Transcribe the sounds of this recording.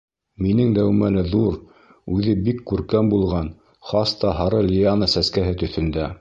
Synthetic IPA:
minɘŋd̪æwmælɘðuɾ | ʉðɘbikːʉɾkæmbulˠʁɑn | χɑst̪ɑɦɑɾɤlʲijanəsæskæɦɘt̪ɵ̆θɵ̆nd̪æ

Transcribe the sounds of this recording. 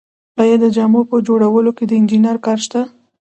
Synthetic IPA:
ɑjad̪ːəd͡ʒɑmopəd͡ʒoɽawəloked̪əɪnd͡ʒinaɾkɑɾʃt̪a

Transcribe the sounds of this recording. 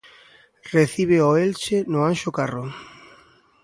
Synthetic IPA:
reθiβeoelt͡ʃenʊanʃokaro

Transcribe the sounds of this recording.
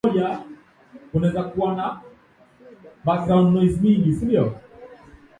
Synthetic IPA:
ja | unɛzakuana | basaɔnnɔizmiŋɡisibiɔ

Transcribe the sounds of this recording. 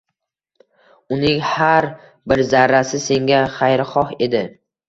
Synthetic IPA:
ʊnɪŋhaɾ | bɪɾzaɾːasɪse̞ŋɡʲaχajɾχɒhe̞d̪ɪ

